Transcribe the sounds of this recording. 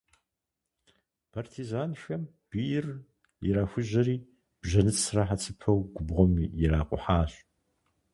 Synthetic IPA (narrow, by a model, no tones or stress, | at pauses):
pʰartʰizaːnʃɐm | b̥ijɪr | ɪɾaːxʷʊʑɐɾiː | b̥ʒɐnɨt͡ssraħat͡sʰɨpʰɐwɡʷʊbʁʷɔmjɪɾaːqʷʼʊ̰ħaːɕʼ